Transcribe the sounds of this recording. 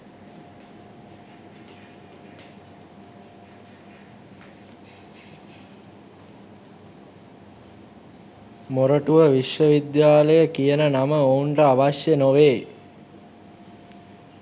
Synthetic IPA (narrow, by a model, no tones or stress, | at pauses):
moɾəʈuʋəʋiʃʋəʋid̪jaːləjəkijənənaməoɳʈəaʋaʃjənoʋeː